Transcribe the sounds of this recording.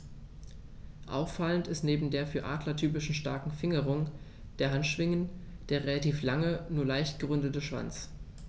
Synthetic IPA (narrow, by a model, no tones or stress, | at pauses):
ʔa̰ʊfːaləntɪstneːbm̩deːɐfyːɐʔaːdlɐtʰyːpɪʃn̩ʃta̰ɐkŋ̩fɪŋəʁ̞ʊŋ | d̥eːɐɦantʃv̥ɪŋən | d̥eːɐʁelatiːflaŋənuːɐlaɪçtɡ̥əʁʏndətəʃv̥a̰nt͡s